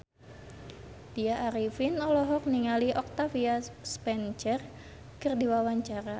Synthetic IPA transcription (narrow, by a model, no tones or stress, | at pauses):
d̥iaʔːɾifinɔlɔɦɔk̚niŋaliʔɔk̚t̪afiaspɛnt͡ʃɛr | kɨrdiwawaɲt͡ʃaɾa